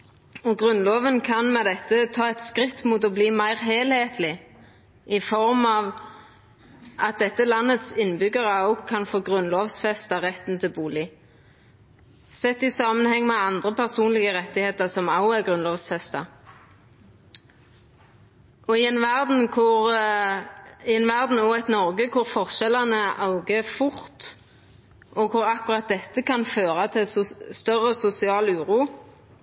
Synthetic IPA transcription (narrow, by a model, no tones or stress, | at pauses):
ɔɡʁʉnloːʋənkʰɑnmɛd̪ɛt̪ːət̪ʰɑːɛt̪skʁɪt̪ːmut̪ɔbliːmæɪʁɦeːlheːt̪ʰlɪ | ʔɪfɔʁmɑːʋ | ɑt̪̚d̪ɛt̪ːəlɑnːət̪sɪnːbʏɡəʁəɔʊɡkʰɑnfoːɡʁʉnloːʋsfɛst̪ɑʁɛt̪ːn̩t̪ʰɪlbuːlɪ | sɛt̪ːɪsɑːmənhɛŋːmɛɑnd̪ʁəpʰæʁsuːnlɪɡəʁɛt̪ːɪheːt̪əʁsɔmɑʊæɡʁʉnlɔːʋsfɛst̪ɑ | ɔɪɛnʋæʁd̪n̩kʰʊʁ | ɪɛnʋæʁd̪n̩ɔɛt̪nɔʁɡəkʰʊʁfɔʁʃɛlɑnəʔɑʊɡəfʊʁt̪ | ʔɔkʰʊɾɑkʊʁɑt̪̚d̪ɛt̪ːəkʰɑnføːʁɑt̪ʰɪsst̪œʁəsʊsɪɑːlʉːʁuː